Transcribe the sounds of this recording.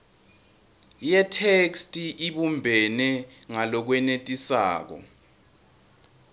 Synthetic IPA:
jɛtʰekstʼiʔiɓumbʱɛnɛŋalɔk̬wɛnetʼisa̰ːk̬ɔ̰

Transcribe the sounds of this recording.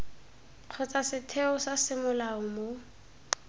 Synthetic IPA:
q͡χʰɔt͡sasɪtʰeʊsasɪmʊlaʊmo

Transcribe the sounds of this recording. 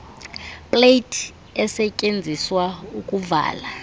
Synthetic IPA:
pʼlejtʰʼ | ɛsɛcʼend͡zʱiswaukʼuva̰ːla

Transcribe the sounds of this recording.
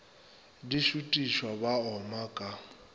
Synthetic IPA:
diʃutʼiʃwabaɔmakʼa

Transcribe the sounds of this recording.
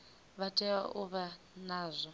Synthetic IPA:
βatʼɛaʔuβa | naːzʷɔ

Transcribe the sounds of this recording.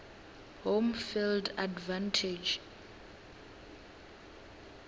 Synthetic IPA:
homfildadvãntʰid͡ʒ

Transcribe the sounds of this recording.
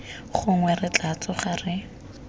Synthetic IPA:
χʊŋwɛrɪt͡ɬat͡sʊχarɪ

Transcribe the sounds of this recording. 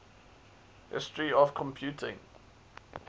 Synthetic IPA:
hɪ̰stɹiɔvkʰɔ̃mpʰjuˑtʰɪ̃ŋ

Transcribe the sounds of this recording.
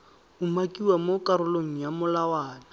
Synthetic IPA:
ʊmakʼiwamokʼaɾʊloŋ̩jamʊlawaːna

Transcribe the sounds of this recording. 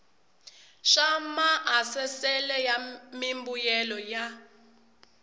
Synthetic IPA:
ʃamaʔasɛsɛlɛjamimbujɛlɔja

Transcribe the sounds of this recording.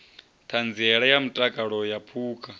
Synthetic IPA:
t̪ʰand͡ziɛɺajamutʼakʼaɺɔjapʰuːkʼa

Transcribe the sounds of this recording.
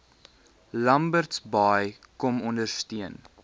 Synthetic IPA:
lɐmbərtsbɑjkɔmɔndərstiən

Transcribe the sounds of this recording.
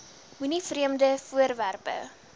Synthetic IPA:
ɦunifriəmdəfuəɾværpə̰

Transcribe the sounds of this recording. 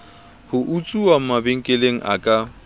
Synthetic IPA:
hʊʔut͡sʼuam̩mabeŋ̩kʼeleŋ̩̰ʔa̰kʼa

